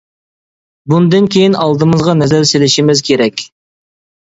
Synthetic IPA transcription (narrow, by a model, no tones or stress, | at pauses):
bund̪ɨnkʲʰejinɑlˠd̪ɨmɨzʁɑnɛzæɾselɪʃimɪzkʲʰeɾɛkʲ